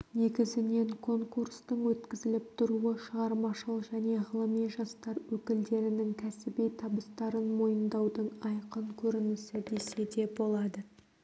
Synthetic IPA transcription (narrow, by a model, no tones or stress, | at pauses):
ne̞ɡʲɪzɪne̞ŋkʰo̞ŋkurst̪əɴwɵt̪kʲɪzɪlɪp̚t̪ʰʊɾuəʃəʁɑɾmɑʃəlˠʒæne̞ʁəlˠəmijʒɑst̪ɑɾwɵkʲɪld̪e̞ɾɪnɪŋkʲʰæsɪbijt̪ʰɑbəst̪ɑɾənmo̞jənd̪ɑwd̪əɴɑjqəɴkʲʰɵɾɪnɪsɪd̪e̞se̞d̪e̞bo̞lˠɑd̪ə